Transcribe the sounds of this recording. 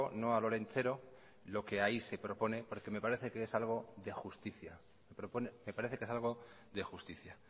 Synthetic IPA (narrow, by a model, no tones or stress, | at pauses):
ono̞alo̞ɾẽ̞nt͡se̞ɾo̞ | lo̞ke̞aise̞pɾo̞po̞ne̞po̞ɾke̞me̞paɾe̞θekeesalɣ̞o̞ðe̞xust̪iθja | mepɾoponeme̞paɾe̞θekesalɣ̞o̞ | ðe̞xust̪iθja